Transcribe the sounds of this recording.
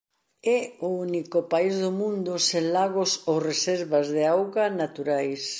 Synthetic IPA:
ɛounikʊpaizðʊmũnd̪ʊsẽnlaɣosoresɛɾβazðeawɣanat̪uɾajs

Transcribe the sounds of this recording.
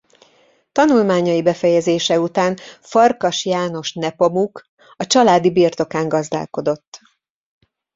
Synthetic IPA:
t̪ɒnulmaːɲɒjibɛfɛjɛzeːʃɛut̪aːnfɒrkɒʃjaːno̞ʃnɛpo̞muk | ɒt͡ʃɒlaːd̪ibiːrt̪o̞kaːŋɡɒzd̪a̰ːlko̞d̪o̞t̪ː

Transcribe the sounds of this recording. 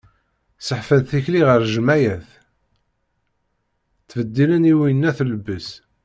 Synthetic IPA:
səħfənθiçliʁəɾˤʒəmæjæθ | θːvəd̪ːiləniwinːæθləbəs

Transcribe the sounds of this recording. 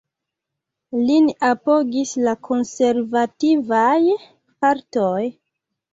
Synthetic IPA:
linapo̞ɡislakʰo̞nseɾvativaj | paɾtoj

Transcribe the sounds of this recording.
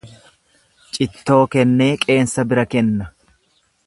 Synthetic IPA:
t͡ʃʼɪt̪ːo̞ːkɛnːe̞ːkʼe̞ːnsɐbɪɾɐkɛnːɐ

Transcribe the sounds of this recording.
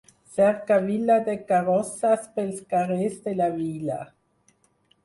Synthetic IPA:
sɛɾkavilad̪ekarɔsaspelskaʁezd̪elavila̰

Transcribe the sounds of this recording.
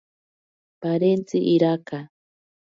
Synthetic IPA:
paɾent͡siʔiɾaka

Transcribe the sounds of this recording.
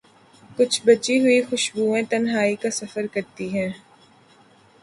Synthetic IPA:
kʊt͡ʃʰbɐt͡ʃiɦʊixʊʃbuːẽt̪ɐnɦaːikasɐfəɾkɐɾt̪iɦɛ̃ː

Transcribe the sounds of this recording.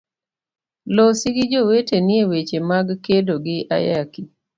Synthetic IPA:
lɔsɪɡɪd͡ʒoweteniewet͡ʃemaɡkedoɡɪʔa̰jaki

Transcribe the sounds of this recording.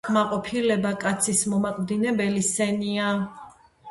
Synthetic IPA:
maqʼɔpʰilɛbakʼat̪sʰismɔmaqʼd̪inɛbɛlisɛnia

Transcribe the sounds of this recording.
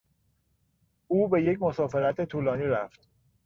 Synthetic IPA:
ʔuːbe̞je̞cmo̞sɒːfe̞ɾæt̪ʰe̞t̪ʰuːlɒːniːɾæft̪

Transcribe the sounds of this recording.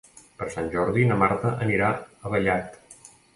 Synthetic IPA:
pəɾsanʲʒɔɾðinəmaɾt̪əʔəniɾaəβəʎat̪

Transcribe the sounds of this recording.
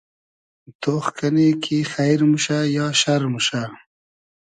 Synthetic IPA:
t̪oːxkanekʰixajɾmuʃajɑʃaɾmuʃa

